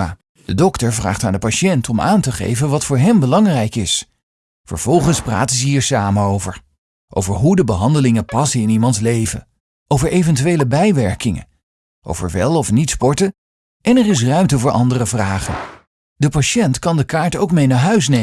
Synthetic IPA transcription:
a | dədɔktəɹvra̰ːχtaːndəpaʃɛntʰɔma̰ːntəχḛjvənʋɑtfʊːɹɦɛmbəlɑŋrɛjkɪs | fə̰ɹv̥ɔlˠχənspra̰ːtəzəɦiːɹsaːmənowvəɹ | ʔo̰wvəɹɦudəbəɦɑndəlɪŋənpɑsəɪnimɑntlejvə̰ | ʔowvəɹʔejvɛntyʋejləbɛjʋɛɹkɪŋə̰ | ʔo̰wvə̰ɹʋɛlˠɔfnitspɔɹtə | ʔɛnɛrɪs̬rœɥmtəvʊːɹʔɑ̰ndərəvraːχə̰n | dəpaʃɛntkɑndəkaːɹtowkmejnaːɹɦœɥs̬ne

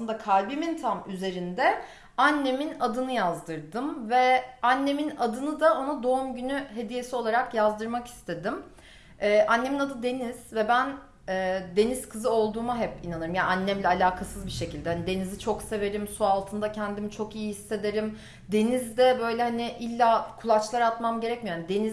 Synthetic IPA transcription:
sɯnd̪akʰalʲbimint̪ʰamyze̞ɾind̪ɛ | anːe̞minad̪ɯnɯjazd̪ɯɾd̪ɯmvɛanːe̞minad̪ɯnɯd̪ao̞nad̪o̞umɟynyɦe̞d̪ije̞sio̞lˠaɾakjazd̪ɯɾmaki̥st̪ʰe̞d̪im | ɛːʔanːe̞minad̪ɯd̪e̞niz̥vɛbæn | ɛːd̪e̞niz̥kʰɯzɯo̞lˠd̪uːmaɦɛpinanɯɾɯmjaʔanːæmlʲɛalʲaːkʰasɯzbiʃe̞cʰilʲd̪ɛhanid̪e̞nizit͡ʃʰo̞kse̞ve̞ɾimsualˠt̪ʰɯnd̪acʰɛnd̪imit͡ʃʰo̞kijihisːe̞d̪e̞ɾim | d̪e̞nizd̪ɛbø̞jlʲɛhaniɪʔilʲːakʰulˠat͡ʃlˠaɾat̪mamɟe̞ɾɛcmijoanid̪e̞niz

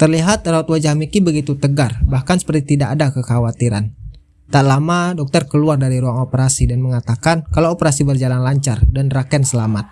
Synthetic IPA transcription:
t̪ərliɦat̪rawat̪wad͡ʒahmikibəɡit̪ut̪əɡarbahkansə̥pərt̪it̪idaʔadakəkawat̪iɾa̰n | t̪aʔlamadɔk̚t̪ərkəluardaɾiɾuaŋopəɾasidanməŋat̪akankalaopəɾasibərd͡ʒalanlaɲt͡ʃardanrakɛnsəlamat̪̚

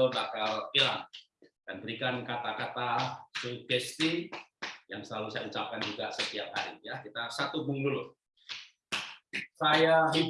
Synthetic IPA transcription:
bakalpilaŋ | d̥anbəɾikankat̪akat̪asubɛst̪i | jaŋsəlalusajaut͡ʃap̚kand͡ʒuɡasət̪iap̚kaɾḭjakit̪asat̪ubuŋɡul | sajaɦi

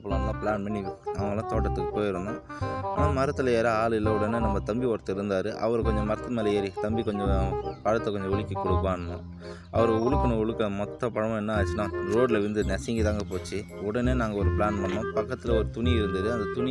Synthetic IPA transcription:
pːɐlɐnlãːpɪɭaːnmɪnːiɐʋɐŋɡɐlːãːt̪oːʈːɐt̪ːɯkːɯpoːjɪɾɯnd̪õːaːnaːmɐɾɐt̪ːɯlɐeːɾaːaːɭɯlɐɔɽɐnenɐmːɐt̪ɐmbiʋɔɾt̪ːɪɾɯnd̪aːɾɯʔɐ̰ʋɐɾɯkɔɲd͡ʒɔ̃mɐɾɐt̪ːɯmeːlɐeːɾit̪ɐmbikɔɲd͡ʒɔ̃paːɻɐt̪ːɐkɔɲd͡ʒɔ̃ʊɭɯkʲːikʊɽɯkːaːɳɐmʊ̰̃ | ɐʋɐɾɯʊɭɯkːɐnɐ̃ʊɻɯkːɐmɔt̪ːɐ̃pɐɳɐʋʊ̃ɛnːɐaːt͡ʃːɪnãːɾoːɖlɐʋɪnd̪ɯnɛsɛŋɡit̪aːŋɡɐpoːt͡ʃːɯ | ɔɽɐneːnaːŋɡɐɔɾɯpɪɭaːnpɐɳːõːpɐkːɐt̪ːɪlɐɔɾɯt̪ʊniɪɾɯnd̪ɯðɯɐnd̪ɐt̪ʊnɪ

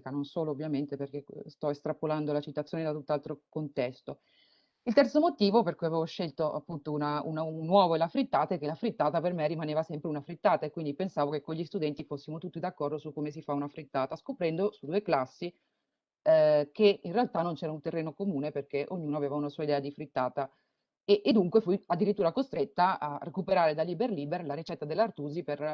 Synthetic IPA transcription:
kanonsoːloːvːjament̪eperk̟est̪ɔest̪ɾapoland̪olat͡ʃit̪at̪sːjoːned̪at̪ut̪ːalt̪ɾokont̪ɛst̪o | ilt̪ɛrt̪somot̪iːvoperkujaveːvoʃːelt̪oʔa̰pːunt̪ounaṵnanːwɔːvoelːafɾit̪ːaːt̪aɛkːelafɾit̪ːaːt̪apermerːimaneːvasɛmpɾeunafɾit̪ːaːt̪aekːwind̪ipensaːvokekːoʎːist̪ud̪ɛnt̪ifosːimot̪ut̪ːid̪akːɔrd̪osukːomesifaunafɾit̪ːaːt̪askopɾɛnd̪osud̪uːeklasːi | keinrealt̪anːont͡ʃɛːɾaunt̪erːeːnokomuːneperk̟eʔoɲːuːnoaveːvaunasuːaid̪ɛːad̪ifɾit̪ːaːt̪a | eʔːd̪uŋkwefujad̪ːiɾit̪ːuːɾakost̪ɾet̪ːaarekupeɾaːɾed̪alːiberliːberlaɾit͡ʃɛt̪ːad̪elːart̪uːziper

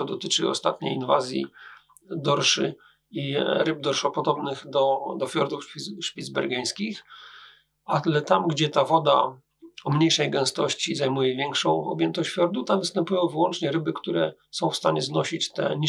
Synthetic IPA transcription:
ɔd̪ɔt̪ɘt͡ʂɘɔ̰st̪at̪ɲḛjinvazʲjḭ | d̪ɔɾʂɘ̰ | iɾɘb̚d̪ɔɾʂɔpɔd̪ɔbnɘxd̪ɔd̪ɔfʲjɔɾd̪ufʂpʲid̪zbɛ̰ɾɡaj̃skʲix | at̪lɛt̪amɡd͡ʑɛt̪avɔd̪a | ɔmɲejʂɛjɡɛw̃st̪ɔɕt͡ɕizajmujɛvʲjɛŋkʂɔ̃w̃ɔ̰bjɛnt̪ɔɕt͡ɕfʲjɔɾd̪ut̪avɘst̪ɛmpujɔ̃w̃vɘwɔnt͡ʂɲɛɾɘbɘkt̪uɾɛsɔ̃w̃fst̪aɲɛznɔɕit͡ɕt̪ɛ̰ɲi

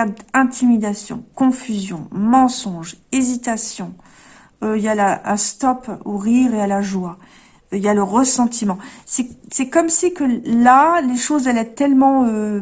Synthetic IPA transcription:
ad̪ɛ̃t̪ʰimid̪asjɔ̰̃kɔ̃fyzjɔ̃mɑ̃sɔ̃ʒezit̪asjɔ̃ | øiljalaə̃st̪ɔpoʁiʁealaʒwa | iljaləʁəsɑ̃t̪ʰimɑ̃sɛsɛkɔmsikəlaleʃozɛlɛt̪ɛlmɑ̃ø

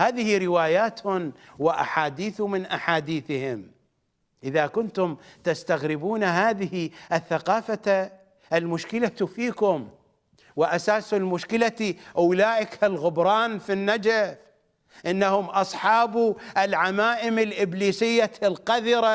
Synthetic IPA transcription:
haːðɪhiɾɪwaːjaːt̪hʊnwɪʔa̰ħaːd̪iːθumɪnʔaħaːd̪iːθɪhɪm | ʔɪðakʊnt̪ʊmt̪ast̪aɣɾɪbuːnaɦaːðɪhiʔɪθːaqɑːfa | ʔɪlmʊʃkɪlat̪ufiːkʊm | wɪʔasaːsalmʊʃkɪlat̪iʔawlaːʔɪkalɣʊbɾˤɑːnfinːad͡ʒaf | ʔɪnːahʊmʔɑsˤħɑːbuʔɪlʕamaːʔɪmɪlʔɪbliːsɪjːalqaðiɾˤa

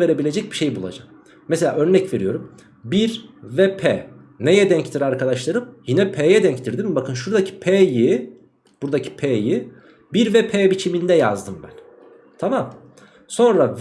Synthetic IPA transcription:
ve̞ɾe̞bilʲe̞d͡ʒɛc̚biʃe̞jbulˠa̰d͡ʒak̚ | meselʲa̰ːʔø̞ɾnɛcve̞ɾijo̞ɾum | biɾvɛpʰɛː | ne̞jɛd̪ɛɲct̪ʰiɾaɾkʰad̪aʃlˠaɾɯmjinɛpʰeːjɛd̪ɛɲct̪ʰiɾd̪imbakʰɯnʃuɾd̪acʰi̥pʰeːji | buɾd̪acʰi̥pʰeji | biɾvɛpʰeːbit͡ʃʰimind̪ɛja̰zd̪ɯmbæn | t̪ʰamam | so̞nɾav

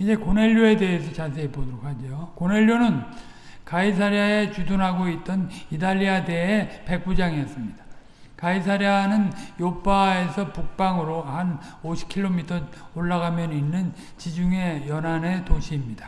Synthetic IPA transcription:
id͡ʑe̞kone̞ʎːoe̞de̞ɦesʰʌt͡ɕasʰe̞ebodoɾok̚had͡ʑojokone̞ʎːjonɯn | kaisʰaɾjae̞t͡ɕudunɦaɡoit̚t͈ʌnidaʎːiade̞epe̞k̚p͈ud͡ʑaŋiʌs͈ɯmɲida | kaisʰaɾjanɯnjop͈ae̞sʰʌpuk̚p͈aŋɯɾohanoɕʰi̥p̚kʰiɭːomitʰʌoɭːaɡamjʌninːɯn | t͡ɕid͡ʑuŋe̞jʌnane̞toɕʰiːmɲidḁ

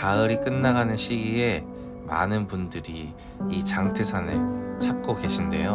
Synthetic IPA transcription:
kaɯɾik͈ɯnːaɣanɯnɕʰiɡie̞ | ma̰nɯnpundɯɾiː | t͡ɕaŋtʰɯsʰanɯɭt͡ɕʰak̚k͈oɡe̞ɕʰinde̞̰jo

